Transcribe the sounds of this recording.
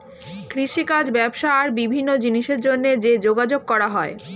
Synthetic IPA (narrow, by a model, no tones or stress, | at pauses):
kɾiʃikad͡ʑbɛbʃaaɾbibʱinːod͡ʑiniʃeɾd͡ʑonːed͡ʑed͡ʑoɡad͡ʑoɡ̚kɔɾaɦɔe